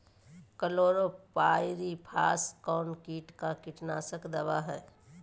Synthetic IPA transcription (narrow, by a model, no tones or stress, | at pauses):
kəloːɾopaːɪɾipʰaːskɔːnkiːʈkakɪʈnaːsəkd̪əʋaɦɛː